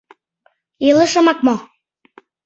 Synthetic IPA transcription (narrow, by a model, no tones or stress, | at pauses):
eləʃə̆mɑk̚mo